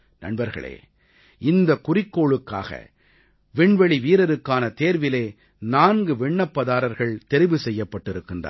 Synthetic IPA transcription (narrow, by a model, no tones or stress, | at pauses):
nɐ̰ɳbɐɾɣɐ̰ɭḛː | ɪnd̪ɐkʊrɪkːoːɭɯkːa̰ːɣɐ̰ | ʋɪɳʋɛɭiʋiːɾɐɾɯkːaːnɐt̪eːɾʋɪleː | naːnɡɯʋɪɳːɐpːɐðaːɾɐɾɣɐɭt̪ɛɾɪʋɯsɛjːɐpːɐʈːɪɾɯkːɯndrɐ̰